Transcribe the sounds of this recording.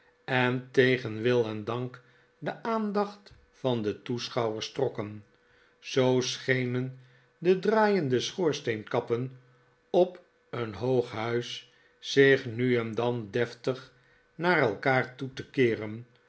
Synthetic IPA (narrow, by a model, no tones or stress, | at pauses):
ɛntejχənʋɪlˠɛndɑŋk | dəʔaːndɑχt | fɑndətusχɑwəɹstrɔkən | z̥owsχejnən | dədraːjəndəsχʊːɹstejnkɑpən | ɔp | ənɦowχɦœɥs | sɪχnyɛndɑndɛftəχ | naːɾɛlˠkaːɹtutəkɪːrən